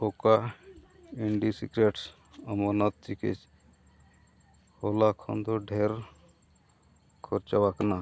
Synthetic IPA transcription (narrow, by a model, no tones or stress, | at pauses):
oka | iɳɖisḭkɾeʈs | əmonat̪̚t͡ʃikḛt͡ʃ | holakʰɔ̰nd̪oɖʱeɾ | kʰɔɾt͡ʃawakna